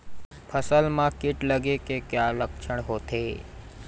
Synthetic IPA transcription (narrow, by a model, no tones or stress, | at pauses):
pʰəsəlmãkiʈləɡekekjaləkʃʰəɽɦot̪ʰe